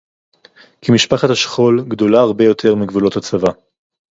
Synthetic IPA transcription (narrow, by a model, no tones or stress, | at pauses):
kimiʃpaχathaʃχo̞lɡdo̞laaʁbe̞jo̞t̪ʰe̞ʁmiɡvulo̞that͡sava